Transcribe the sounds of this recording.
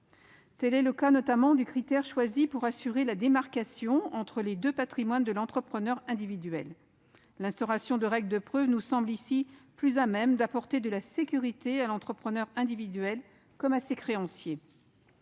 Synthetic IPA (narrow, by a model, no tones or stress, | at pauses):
t̪ɛlɛləkanɔt̪amɑ̃d̪ykχit̪ɛʁʃwazipuʁasyʁelad̪emaʁkasjɔ̃ɑ̃t̪χəled̪øpat̪χimwand̪əlɑ̃t̪χəpχənœʁɛ̃d̪ivid̪ɥɛlː | ɛ̃st̪ɔʁasjɔ̃d̪əʁɛɡld̪əpχøvnusɑ̃blisiplyzamɛmd̪apɔʁt̪ed̪əlasekʲyʁit̪ealɑ̃t̪χəpχənœʁɛ̃d̪ivid̪ɥɛl | kɔmasekχeɑ̃sje